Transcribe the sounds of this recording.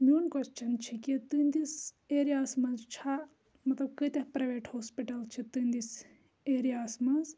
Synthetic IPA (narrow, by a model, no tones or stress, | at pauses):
mʲuːnkɐt͡ʃt͡ʃʰɐnt͡ʃʰikʲit̪ɨnd̪is | eːɾijaːsmɐnzt͡ʃʰa | mɐt̪lɐb̚kɨt̪ʲɐpɾɐʋeːʈhoːspiʈɐlt͡ʃʰit̪ɨnd̪is | eːɾijaːsmɐnz